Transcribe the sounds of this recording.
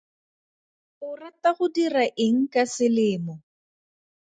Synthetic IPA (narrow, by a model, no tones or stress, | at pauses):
ʊrataχʊdiraʔɪŋ̩kasɪlɪːmɔ